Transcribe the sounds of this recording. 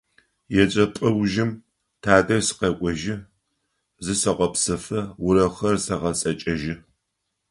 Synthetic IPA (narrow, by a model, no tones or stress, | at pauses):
jɛt͡ʃʼɐpʼɐwʒɪm | tʰaːdɐrsɨ̥qɐkʷʼɔʒɪ | zɨsɐqʷɔpsɐfɐwʊɾɐχɐrsɐʁɐt͡sʼɐt͡ʃʼɐʒɪ